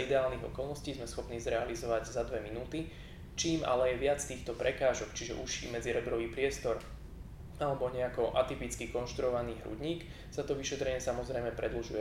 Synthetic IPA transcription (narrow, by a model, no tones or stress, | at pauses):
id̪ɛaːlniɣɔ̰kɔlˠnɔsciːzmɛsxɔpniːzɾɛalizɔʋaɟzad̪ʋɛminuːt̪i | t͡ʃiːma̰lɛɛʋɪat͡st̪iːxt̪ɔpɾɛkaːʒɔkt͡ʃiʒɛ̰ʔuʃḭːmɛd͡ziɾɛbɾɔʋiːpɾɪɛst̪ɔɾ | alɛbɔɲɛakɔʔat̪ipit͡skikɔnʃt̪ɾuɔʋaniːɦɾṵɟɲiːk | sat̪ɔʋiʃɛt̪ɾɛɲɪɛsamɔzɾɛjmɛpɾɛd̪l̩ʒujɛ